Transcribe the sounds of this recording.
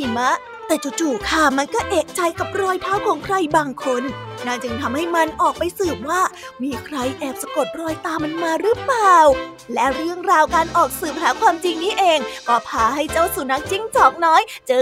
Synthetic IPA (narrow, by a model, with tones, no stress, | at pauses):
i˨˩ma˦˥ | t̪ɛː˨˩t͡ɕu˨˩t͡ɕuː˨˩kʰa˥˩ma˧nkɔː˥˩ʔeː˨˩k̚t͡ɕa˧jka˨˩p̚ɾɔː˧jt̪ʰaː˦˥˩wkʰɔː˨˩˦ŋkʰɾa˧jbaː˧ŋkʰo˧nːaː˥˩t͡ɕɯ˧ŋt̪ʰa˧mha˥˩jma˧nʔɔː˨˩k̚pa˧jsɯː˨˩p̚waː˥˩ | miː˧kʰɾa˧jʔɛː˨˩p̚sa˧ko˨˩t̪̚ɾɔː˧jt̪aː˧mːa˧nmaː˧ɾɯ˦˥plaː˨˩w | lɛ˦˥ɾɯ˥˩əŋɾaː˧wkaː˧nʔɔː˨˩k̚sɯː˨˩p̚ɦaː˨˩˦kʰwaː˧mt͡ɕi˧ŋniː˦˥˩ʔeː˧ŋkɔː˧˩pʰaː˧ɦa˥˩jt͡ɕa˥˩wsu˨˦na˦˥k̚t͡ɕi˥˩ŋt͡ɕɔː˨˩k̚nɔː˦˥jt͡ɕɤː˧